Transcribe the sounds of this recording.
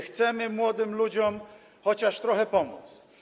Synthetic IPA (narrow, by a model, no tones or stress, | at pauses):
xt̪sɛmɘmwɔd̪ɘmlud͡ʑɔm | xɔt͡ɕaʂt̪ɾɔxɛpɔmṵt̪s